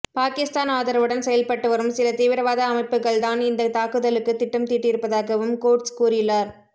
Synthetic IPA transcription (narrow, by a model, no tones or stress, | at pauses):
paːkɪst̪aːnaːðɐɾɐʋɯɽɐnsɛjɐlpɐʈːɯʋɐɾɯmsɪlɐt̪iːʋɪɾɐʋaːðɐːmɐɪpːɯɣɐɭt̪aːnɪnd̪ɐt̪aːkɯðɐlɯkːɯt̪ːɪʈːɯmt̪iːʈːɪɾɯpːɐðaːɣɐʋɯmkoːɾʈskuːɾɪjɯlːaːɾ